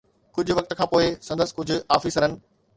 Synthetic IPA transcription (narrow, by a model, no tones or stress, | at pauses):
kʊd͡ʑʱʊ̆ʋɐk̚t̪kʰãːpoːɪsɐ̃nd̪əsɪ̥kʊd͡ʑʱʊ̆aːfiːsəɾənɪ̆